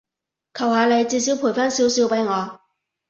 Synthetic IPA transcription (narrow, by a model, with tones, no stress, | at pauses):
kʰɐ˨˩whaː˨˧le˨˧jt͡siː˧siː˨˥wpʰu˨˩jfaː˥nsiː˨˥wsiː˨˧wpɐ˨˥jŋɔː˨˧